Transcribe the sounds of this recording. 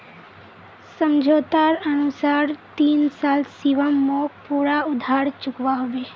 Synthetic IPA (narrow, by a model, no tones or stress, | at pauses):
səmd͡ʒʱot̪aɾənusaɾt̪iːnsaːlsiʋəmːokpuɽaʊd̪ʱaɽt͡ʃʊkʋaɦɔʋe